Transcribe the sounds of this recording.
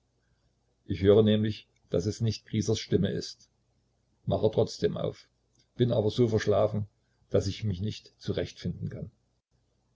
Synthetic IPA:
ʔɪçhøːʁənɛːmlɪç | d̥asɛsnɪçt̚kʁ̥iːzɐsʃtɪməʔɪ̰st | maχətʁ̥ɔt͡sd̥eːmʔa̰ʊf | b̥ɪnʔaːbɐzoːfɛɐʃlaːfn̩ | d̥asɪçmɪçnɪçtt͡suʁɛçtfɪndn̩kʰan

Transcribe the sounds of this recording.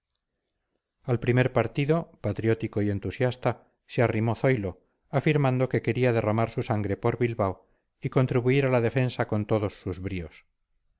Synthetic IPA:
alpɾime̞ɾpaɾt̪iðo̞pat̪ɾjo̞t̪iko̞ie̞nt̪usjast̪a | searimo̞θo̞jlo̞ | afiɾmãnd̪o̞ke̞ke̞ɾiað̞e̞ramaɾsusaŋɡɾe̞po̞ɾβilβaw | ikont̪ɾiβuiɾalaðe̞fe̞nsako̞nt̪o̞ðo̞sːuzβɾios

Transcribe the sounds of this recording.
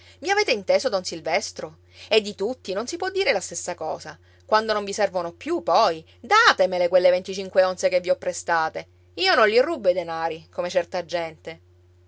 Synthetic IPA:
viaveːt̪eint̪eːzod̪ɔnsilvɛst̪ɾo | ed̪ːit̪ut̪ːinonsipwɔd̪ːiːɾelast̪esːakɔ̰ːza | kwand̪onõɱvisɛrvonopjupɔj | d̪aːt̪emelekwelːevent̪it͡ʃiŋkweonsekevːiɔpːɾest̪aːt̪e | iːonõnlirːubːed̪enaːɾikomet͡ʃɛrt̪ad͡ʒːɛnt̪e

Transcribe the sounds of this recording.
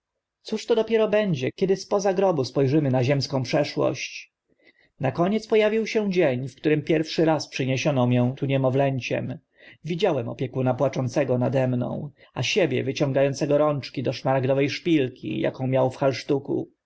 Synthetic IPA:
t̪suʂt̪ɔd̪ɔpʲjɛɾɔbɛɲd͡ʑɛkʲɛd̪ɘspɔzaɡɾɔbuspɔjʐɘmɘnaʑɛmskɔ̃w̃pʂɛʂwɔ̰ɕt͡ɕ | nakɔɲɛt̪spɔjavʲiwɕɛd͡ʑeɲfkt̪uɾɘmpʲjɛɾfʂɘɾaspʂɘɲeɕɔnɔmʲjɛ̃t̪ʰuɲɛmɔvlɛɲt͡ɕɛ̰m | vʲid͡ʑawɛmɔ̰pʲjɛkunapwat͡ʂɔnt̪sɛɡɔnad̪ɛmnɔ̰̃w̃ | aɕebʲjɛ̰vɘt͡ɕɔ̃ŋɡajɔnt̪sɛɡɔɾɔnt͡ʂkʲid̪ɔʂmaɾaɡd̪ɔvɛjʂpʲilkʲʰḭja̰kɔ̃w̃mʲjawfxalʂt̪ukṵ

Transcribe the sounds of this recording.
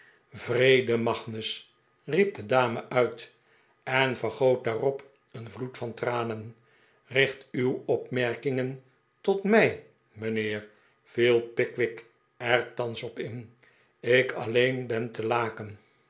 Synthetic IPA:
vrejdəmɑχnəs | rip̚dədaːməʔœɥt | ɛnvəɹχowt̚daːrɔp | ənvlutfɑntraːnən | rɪχtywɔpmɛɹkɪŋən | tɔtmɛj | mənɪːɹ | v̥ilˠpɪkʋɪk | ɛɹtɑnsɔpɪn | ɪkʰɑ̰lejnbɛntəlaːkən

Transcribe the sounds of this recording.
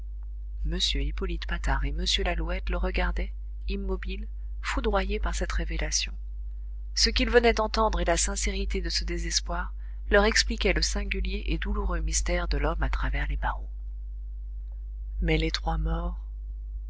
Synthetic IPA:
məsjøipɔlit̪pat̪aʁeməsjølaluɛt̪ləʁəɡaʁd̪ɛ | imːɔbil | fud̪ʁwajepaʁsɛt̪ʁevelasjɔ̃ | səkʲilvənɛd̪ɑ̃t̪ɑ̃d̪ʁelasɛ̃seʁit̪ed̪əsəd̪ezɛspwaʁ | lœʁɛksplikʲɛləsɛ̃ɡʲyljeʔed̪uluʁømist̪ɛʁd̪əlɔmat̪χavɛʁlebaʁɔ̃ | mɛlet̪χwamɔʁ

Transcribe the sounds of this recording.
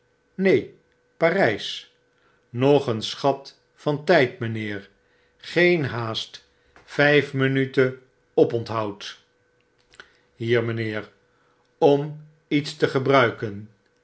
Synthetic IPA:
nej | parɛjs | nɔχənsχɑt | fɑntɛjtmənɪːɹ | χejnɦaːst | fɛjfmənytə | ɔpɔntɦɑwt | ɦiːɹmənɪːɹ | ɔm | itstəχəbrœɥkən

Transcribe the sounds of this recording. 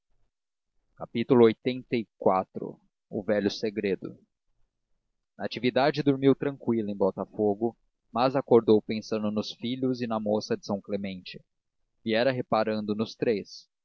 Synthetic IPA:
kapit̪ʊlʊojt̪ẽnt̪ɐikwat̪ɾʊ̰ | ʊ̰vɛʎʊseɡɾed̪ʊ̰ | nɐat͡ʃivid̪ad͡ʒɪd̪oɾmiwt̪ɾɐ̃ŋkwilɐẽj̃bɔt̪ɐfoɡʊ | mɐzakoɾd̪owpẽsɐ̃nd̪ʊnʊsfiʎʊzɪnɐmosɐd͡ʒɪsɐ̃w̃klemẽnt͡ʃɪ | viɛɾɐɦepaɾɐ̃nd̪ʊnʊst̪ɾes

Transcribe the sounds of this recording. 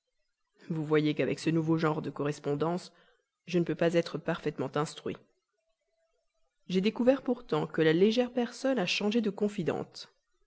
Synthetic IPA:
vuvwajekavɛ̰ksənuvoʒɑ̃ʁd̪əkɔʁɛspɔ̃d̪ɑ̃s | ʒənəpøpazɛt̪χəpaʁfɛt̪mɑ̃t̪ɛ̃st̪χɥḭ | ʒed̪ekuvɛʁpuʁt̪ɑ̃kəlaleʒɛʁpɛʁsɔnaʃɑ̃ʒed̪əkɔ̃fid̪ɑ̰̃t̪

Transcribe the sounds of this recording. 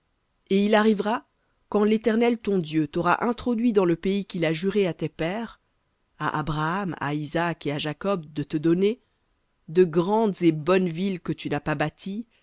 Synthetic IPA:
eilaʁivʁa | kɑ̃let̪ɛʁnɛlt̪ɔ̃d̪jøt̪ɔʁa̰ʔɛ̃t̪χɔd̪ɥid̪ɑ̃ləpeikʲilaʒyʁeat̪ɛpɛːʁ | a̰ʔa̰bʁaːma̰izakeaʒakɔb̚d̪ət̪əd̪ɔne | d̪əɡʁɑ̃d̪zebɔnvilkət̪ynapabat̪ʰi

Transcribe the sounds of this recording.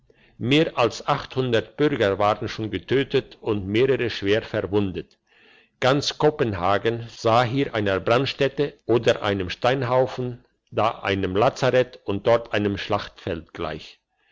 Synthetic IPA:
meːɐʔalsʔaχthʊndɐtb̥ʏʁɡɐvaːʁənʃoːnɡətʰøːtətʊntmeːʁəʁəʃv̥eːɐfɛɐvʊndət | ɡ̥ant͡skʰopənɦaːɡənz̥aːɦiːɐʔaɪnɐbʁantʃtɛtəʔoːdɐʔa̰ɪnəmʃtaɪnɦaʊfn̩ | daːʔa̰ɪnəmlaːt͡saʁɛtʊnt̚d̥ɔʁtʰʔaɪnəmʃlaχtfɛltɡ̥la̰ɪç

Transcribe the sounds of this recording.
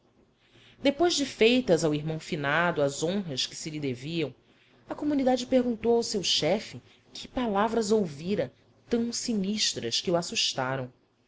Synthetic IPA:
d̪epojʒd͡ʒɪfejt̪ɐzawiɦmɐ̃w̃finad̪ʊɐzõɦɐskɪ̥sɪlid̪eviɐ̃w̃ | ɐkomunid̪ad͡ʒɪpeɾɡũnt̪owawsewʃɛfɪ | kʰɪpalavɾɐzowviɾɐ | t̪ɐ̃w̃siniʃt̪ɾɐʃkɪuasuʃt̪aɾɐ̃w̃

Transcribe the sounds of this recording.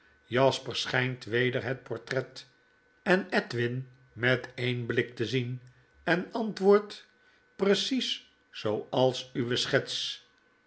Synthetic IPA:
jɑspəɹsχɛjntʋejdəɹɦət̚pɔɹtrɛt | ɛnɛtʋɪn | mɛtejnblɪk̚təzin | ɛnɑntʋʊːɹt | prəsis | sowɑlˠsyʋəsχɛts

